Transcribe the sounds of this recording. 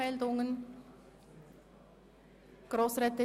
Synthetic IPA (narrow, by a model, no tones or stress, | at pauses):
ɛldʊŋən | ɡ̥ʁoːsʁɛtə